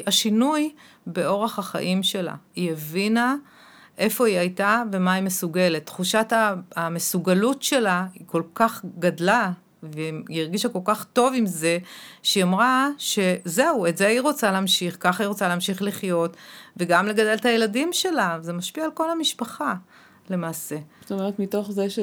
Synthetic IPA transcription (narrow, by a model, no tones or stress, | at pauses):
aʃinujbe̞o̞ʁeχaχa̰ʔimʃe̞la̰ievina | ʔe̞fo̞iajtave̞maimesuɡe̞le̞tːχuʃataːmesuɡalutʃe̞laiko̞lkaχɡadla | veiʁɡiʃako̞lkaχto̞vimze̞ʃeamʁaʃe̞ze̞uetzeiʁo̞t͡salɛːmʃiχkaχiʁot͡salaːmʃiχliχjo̞tveɡamle̞ɡade̞lthajeladimʃe̞lavzemaʃpiaːlko̞lamiʃpaχa | le̞maːse̞so̥t̪omeʁet̪mito̞χzeʃe